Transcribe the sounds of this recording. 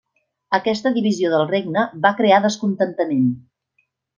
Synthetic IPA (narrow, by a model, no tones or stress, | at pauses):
əkɛst̪əðiβizioðəlˠreɡ̚nəβakɾeaðəskunt̪ənt̪əmen